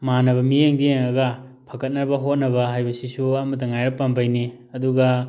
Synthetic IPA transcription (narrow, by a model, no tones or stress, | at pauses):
manɐβɐmijeŋdieŋɐɡɐpʰɐkɐt̚nɐɾbɐɦot̚nɐbɐɦajbɐsisuɐmɐt̬ɐŋajɾɐpːɐmbajni | ɐduɡɐ